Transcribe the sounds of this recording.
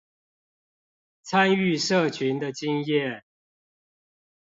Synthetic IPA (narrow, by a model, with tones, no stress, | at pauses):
t͡sʰa˦ny˥˨ʂə˥˨t͡ɕʰy˨˦nd̪ə˨t͡ɕi˦ŋjɛ˥˨